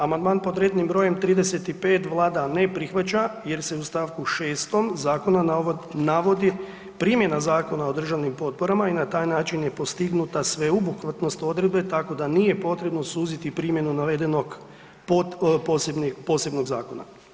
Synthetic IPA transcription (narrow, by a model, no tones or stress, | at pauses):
amand̪maːnpo̞d̪ɾe̞ːd̪nimbɾo̞je̞mt̪ɾiːd̪e̞se̞t̪ipe̞ːt̪ʋlˠaːd̪ane̞pɾixʋat͡ʃaje̞ɾse̞ust̪aʋkuʃeːst̪o̞mzaːko̞nanaʋo̞d̪i | pɾiːmje̞nazaːko̞nao̞d̪r̩ʒaʋnimpo̞t̪̚po̞ɾamainat̪aːjnaːt͡ʃinje̞po̞st̪iɡnut̪asʋe̞ubukʋat̪no̞st̪o̞d̪ɾed̪̚be̞t̪ako̞d̪anije̞po̞t̪ɾe̞bno̞suːzit̪ipɾiːmje̞nunaʋe̞d̪e̞no̞ɡ | poposebnipo̞se̞bno̞ɡzaːko̞na̰